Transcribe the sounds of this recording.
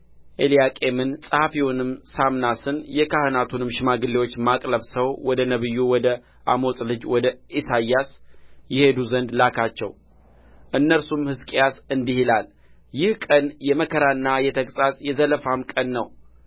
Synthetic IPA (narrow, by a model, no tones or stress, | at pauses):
ʔe̞lijakʼe̞mɨnsʼahafiwunɨmsamnasɨnjɛkʰahɨnat̪ʰunɨmʃɪmaɡɨlːewo̞t͡ʃːmakʼləβsəwwɔd̪ənəβɨjːuwɔd̪ə | ʔa̰mo̞sʼlɨd͡ʒwɔd̪əʔisajːasjɛhe̞d̪uzənd̪lakʰat͡ʃːɛ̰w | ʔɨnːəɾsumhɨskʼjasɨnd̪ihilal | jɪhkʼənjɛməkʰəɾaɨnːajɛt̪ʰəkʼsʼasʼjɛzələfamkʼənːəw